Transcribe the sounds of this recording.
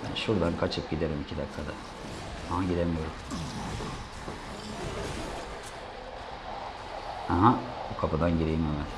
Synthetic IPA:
ʃuɾd̪ankʰat͡ʃʰɯp̚ɟid̪eɾimicʰid̪akʰːad̪a | haɦaɟid̪emijoɾum | haɦabukʰapɯd̪anɟiɾeimemɛ

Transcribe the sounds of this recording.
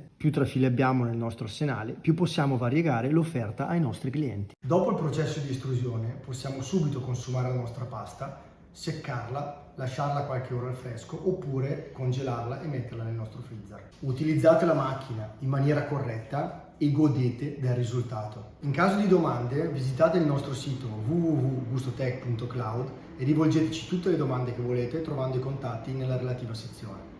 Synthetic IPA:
pjut̪ːɾafiːleabjaːmonelnɔst̪ɾoasːena̰ːlepjupːosːjaːmovaɾjeɡaːɾelofːɛrt̪aʔajnɔst̪ɾikliɛ̰nt̪i̥d̪ɔːpoilpɾot͡ʃɛsːod̪ist̪ɾuzjoːneposːjaːmosuːbit̪okonsumaːɾelanɔst̪ɾapast̪a | sekːarla | laʃːarlakwalkeoːɾalfɾɛskoʔopːuːɾekond͡ʒelarlaʔemːet̪ːerlanelnɔst̪ɾofid̪zːer | ut̪ilid̪zːaːt̪elamak̟ːinaimːanjɛːɾakorːɛt̪ːa | eɡod̪eːt̪ed̪elrizult̪aːt̪o | iŋkaːzod̪id̪omand̪evizit̪aːt̪eilnɔst̪ɾosiːt̪ovuvuvuɡust̪ot̪ɛkpunt̪oklawd̪ | edːivold͡ʒeːt̪et͡ʃi̥t̪ut̪ːeled̪omand̪ek̟evːoleːt̪et̪ɾovand̪oikont̪at̪ːinelːaɾelat̪iːvaset̪sːjoːne

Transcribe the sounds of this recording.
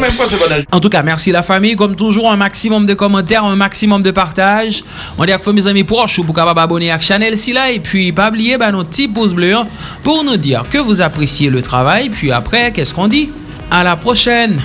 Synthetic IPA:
mɛmfwãsɛbɔnaɑ̃t̪ukamɛʁsidlafamijkɔmt̪uʒuʁɛ̃maksimɔmd̪əkɔmɑ̃t̪ɛʁɛ̃maksimɔmd̪əpaʁt̪aʒ | ɔ̃d̪iakfɔmezamipuʁɔʁʃop̬uʁkapababɔneakʃanɛlsilajpɥipablijebanɔ̃t̪ip̬ozblø̃ | puʁnud̪iʁkəvuzapχesjelət̪χavajpɥia̰pχɛkɛskɔ̃d̪i | alapχoʃɛn

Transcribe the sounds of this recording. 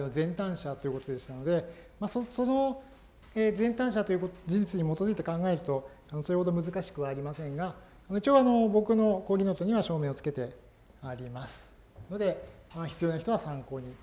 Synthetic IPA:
no̞zẽ̞nt̪ãɰ̃ɕat̪ojɯ̟ko̞t̪o̞d̪e̞ɕi̥t̪ano̞d̪e̞masoso̞no | ezẽ̞nt̪ãɰ̃ɕ̬at̪o̞jɯ̟kod͡ʑiʑit͡sɨɲ̟imo̞t̪ozɨit̪ekãŋɡae̞ɾɯ̟t̪o̞ | ano̞soɾe̞ho̞d̪o̞mɯ̟zɨkaɕi̥kɯ̟βaːɾʲimasẽ̞ŋɡa | anoit͡ɕoːano̞bo̞kɯ̟no̞ko̞ːɡʲinot̪oɲ̟iβaɕo̞ːmẽːot͡sɨ̥ke̞t̪e̞ | aɾʲimasɨ̥ | no̞d̪e̞açi̥t͡sɨjo̞ːnaçi̥t̪o̞βasãŋko̞ːɲ̟i

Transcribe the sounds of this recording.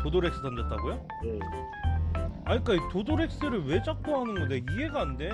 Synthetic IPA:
todoɾe̞k̚s͈ɯdʰand͡ʑʌt̚t͈ʰaɡojo | aɲik͈aitodoɾe̞k̚s͈ɯɾɯɭwe̞t͡ɕak̚k͈oɦanɯnɡʌnde̞iɡe̞ɡaːnde̞

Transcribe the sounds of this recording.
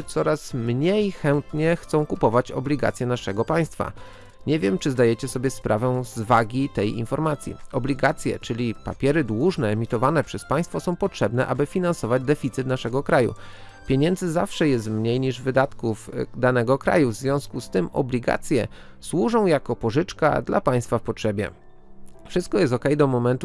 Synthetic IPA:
t̪sɔɾasmɲejxɛnt̪ɲɛxt̪sɔ̃w̃kupɔvat͡ɕɔ̰blʲiɡa̰t̪sʲjɛnaʂɛɡɔpaj̃st̪fa̰ | ɲɛvʲjɛmt͡ʂɘzd̪ajɛt͡ɕɛsɔbʲjɛspɾʔavɛ̃zvaɡʲit̪ɛjḭnfɔɾmat̪sʲjḭɔblʲiɡat̪sʲjɛ̰t͡ʂɘlʲipa̰pʲjɛɾɘd̪wuʐnɛːmʲit̪ɔvanɛpʂɛspaj̃st̪fɔsɔ̃w̃pɔtʂɛbnɛʔa̰bɘfʲinansɔvad͡ʑd̪ɛfʲit̪sɘt̪naʂɛɡɔkɾajṵ | pʲjeɲɛnd̪zɘzafʂɛjɛs̬t̪mɲejɲiʐvɘd̪at̪kuvd̪anɛɡɔkɾa̰juvzvʲjɔ̃w̃skust̪ɘmɔ̰blʲiɡa̰t̪sʲjɛ | swuʐɔ̃w̃jakɔpɔʐɘt͡ʂka̰d̪la̰paj̃st̪fafpɔtʂɛbʲjɛ̰ | fʂɘst̪kɔjɛst̪ɔkɛjd̪ɔmɔmɛnt̪u

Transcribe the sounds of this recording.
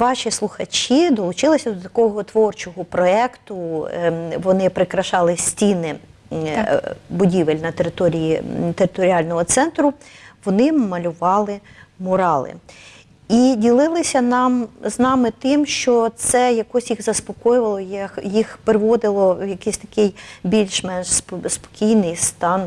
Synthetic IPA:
ʋɑʃʲislˠʊxɐt͡ʃʲid̪ɔlˠʊt͡ʃɪlˠɪsʲɐd̪ɔt̪ɐkɔɦɔt̪ʋɔrt͡ʃɔɦɔpɾɔɛkt̪ʊ | ʋɔnɪpɾɪkɾɐʃɑlˠɪsʲtʲinɪ | bʊdʲiʋelʲnɐt̪eɾɪt̪ɔɾʲijit̪eɾɪt̪ɔɾʲiɑlʲnɔɦɔt̪sɛnt̪ɾʊʋɔnɪmɐlʲʊʋɑlˠɪmɔɾɑlˠɪ̰ | idʲilˠɪlˠɪsʲɐnɑmznɑmɪt̪ɪmʃt͡ʃɔt̪sɛjɐkɔsʲjiɣzɐspɔkɔjʊʋɐlˠɔjɐkjixpɾɪʋɔd̪ɪlˠɔjɐkɪsʲt̪ɐ̥kɪjbʲilʲʃmɛnʃsspɔ̥kʲijnɪjst̪ɑn

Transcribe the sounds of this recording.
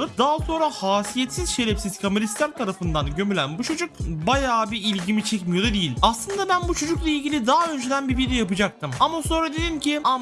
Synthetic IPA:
ɯpd̪aɦaso̞nɾahaːsijet̪siz̥ʃe̞ɾɛfsiz̥kʰamelʲist̪ʲænt̪ʰaɾafɯnd̪anɟø̞mylʲænbut͡ʃʰo̞d͡ʒuk̚bajaːbiilʲɟimit͡ʃʰɛcmijo̞d̪ad̪ijilʲaslˠɯnd̪abænbut͡ʃʰo̞d͡ʒuklˠailʲɟilʲid̪aɦaø̞nd͡ʒed̪ænbibiɾd̪ijapɯd͡ʒak̚t̪ɯmamaso̞nɾad̪elʲimcʰiam

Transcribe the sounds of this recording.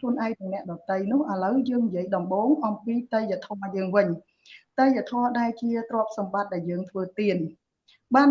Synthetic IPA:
kʰluənʔaɛk̚nɨŋnɛ̆əʔɗɑt̪əjnʊ̆əhʔə̆ləwjəːŋnijĭəjɗɑmɓoːŋʔɑmpiːt̪əjʋət̪ʰɔəjəːŋʋɨɲ | t̪əjʋət̪ʰɔəɗaɛlt͡ɕiət̪rŏəp̚sɑmɓat̪̚ɗaɛljəːŋt̪ʰʋəːt̪iən | ɓaːn

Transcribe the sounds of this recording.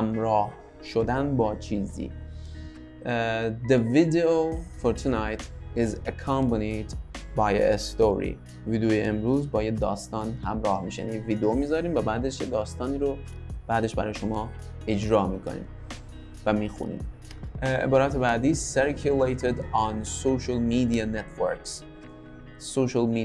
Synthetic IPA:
hæmɾɒːh | ʃod̪ænbɒːt͡ʃʰiːzḭː | d̪evid̪eofoɾt̪ʰunajt̪izækʰɑmbanid̪baj̰est̪oɾḭ | viːd̪ojeemɾuːzbɒːjed̪ɒːst̪ɒːnhæmɾɒːhmiːʃeja̰nieviːd̪eomiːzɒːɾiːmvæbæːd̪eʃjed̪ɒːst̪ɒːniːɾo | b̥æːd̪e̞ʃbæɾɒːjeʃo̞mɒː | e̞d͡ʒɾɒːmiːkʰo̰nḭːm | væmiːxṵnḭːm | ḛbɒːɾæt̪ʰebæːd̪iːseɾkʰulejt̪ʰed̪ɑnsoʃalmiːd̪ianet̪ʰvø̰ɾks | soʃalmi

